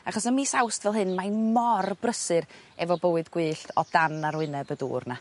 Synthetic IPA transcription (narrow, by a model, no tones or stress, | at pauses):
aχɔsəmiːsawstvɛlˠɦɨnmajmɔrbrəsɨɾ | ɛvɔbəwɨdɡ̥wɨːɬtʰɔd̥anaɾwɪnɛbədṵːrna